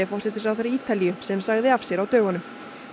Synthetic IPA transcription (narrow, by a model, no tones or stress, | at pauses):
ɪfɔr̥sɛt̪ɪ̥sawθeɾaɾiːt̪alijʏsɛmsaɣðɪafsjɛɾawt̪œːɣanʏm